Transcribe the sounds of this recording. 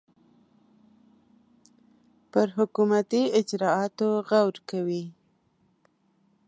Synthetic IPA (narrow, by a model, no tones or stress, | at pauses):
pəɾɦʊkumat̪iɪd͡ʒɾɑɑt̪oɣawɾkawi